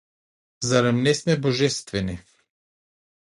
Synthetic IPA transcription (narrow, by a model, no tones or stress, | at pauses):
zaɾɛmnɛsmɛboʒɛst̪vɛni